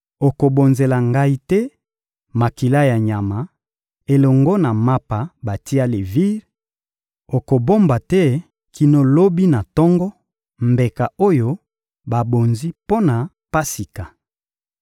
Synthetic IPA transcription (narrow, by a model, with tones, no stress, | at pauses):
o˨ko˨bo˨nze˨la˨ŋɡa˦i˦tɛ˦ | ma˨ki˨la˦ja˨ɲa˨ma˨˦ | e˨lɔ˨ŋɡo˦na˨ma˦pa˨ba˨ti˦a˦le˨vi˦ʁ | o˨ko˨bo˦mba˨tɛ˦ | kʰi˨no˦lo˦bi˦na˨tɔ˦ŋɡɔ˦ | mbe˨ka˨o˦jo˦ | ba˨bo˨nzi˦po˦na˨ | pa˦si˨ka˨